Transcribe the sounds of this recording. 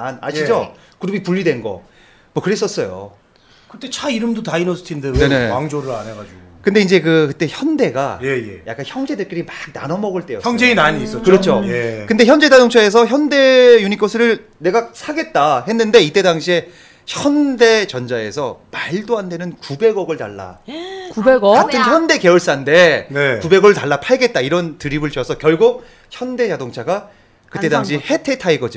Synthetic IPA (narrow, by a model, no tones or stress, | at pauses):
ana̰ɕʰid͡ʑo | kuɾubipuʎːidwe̞nɡʌ̰ | mwʌkɯɾe̞s͈ʌs͈ʌjo̰ | kɯt͈et͡ɕʰaiɾɯmdotainosʰɯ̥tʰindɯnne̞ne̞aŋd͡ʑoɾɯɾa̰nɦeɡad͡ʑuɡokɯnde̞ind͡ʑe̞kɯkɯt͈e̞çjʌnde̞ɡaje̞jeja̰k͈ançjʌŋd͡ʑe̞dek͈iɾimak̚na̰nʌmʌɡɯɭt͈e̞joçjʌŋd͡ʑeinaɲiːs͈ʌkɯɾʌt͡ɕʰojekɯnde̞çjʌnd͡ʑe̞dadoŋt͡ɕʰoe̞s̬ʰʌçjʌnde̞juɲik͈osʰɯɾɯɭ | ne̞ɡasʰaɡe̞t̚t͈aɦe̞nːɯnde̞it͈e̞daŋɕʰie | çjʌnde̞t͡ɕʌnd͡ʑae̞̰sʰʌmaɭdoɦande̞nɯnkube̞ɡʌɡɯɭta̰ɭːa̰kubeɡʌkatʰɯnçjʌnde̞ke̞ɯɭs͈ande̞nekube̞ɡɯɭtaɭːapʰaɭɡe̞t̚t͈aiɾʌntɯɾibɯɭt͡ɕʌsʰʌkjʌɭɡuk̚ | çjʌnde̞d͡ʑadoŋt͡ɕʰaɡa | kɯt͈e̞daŋɕ̬ʰihe̞tʰetʰaeɡʌd͡ʑi